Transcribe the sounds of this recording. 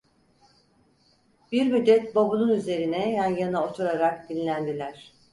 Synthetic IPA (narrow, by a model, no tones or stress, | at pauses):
biɾmyd̪ːɛt̪̚bobununyze̞ɾinɛjanjanɯo̞t̪ʰuɾaɾak̚d̪inlʲænd̪ilʲæɾ̥